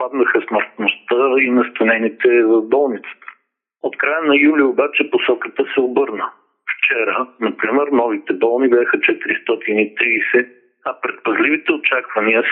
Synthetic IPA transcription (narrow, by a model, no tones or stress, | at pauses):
pad̪nɐxəsməɾt̪nost̪əinɐst̪onɛnit̪ɛvɐvbɔlˠnit̪sə̥t̪ə̥ | ot̪kɾajənɐjulʲiobat͡ʃɛposɔkət̪əsɛobɤɾnə | ft͡ʃɛɾənɐpɾimɛɾnɔvit̪ɛbɔlˠnibʲjaxət͡ʃɛt̪iɾist̪ɔt̪init̪ɾiːsɛ | ɐpɾɛt̪̚pɐzlivit̪ɛot͡ʃakvɐniə